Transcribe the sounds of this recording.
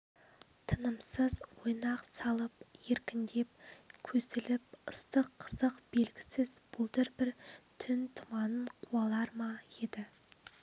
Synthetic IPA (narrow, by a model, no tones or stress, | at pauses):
t̪ʰənəmsəzwo̞jnɑqsɑlˠəpje̞ɾkʲɪnd̪e̞p̚kʲʰɵzɪlɪpəst̪əqʰːə̥zəqb̥e̞lɡʲɪsɪzb̥ʊlˠd̪ɪɾbɪɾt̪ʰʏnt̪ʰʊmɑnəɴqʰuɑlˠɑɾmɑje̞d̪ɪ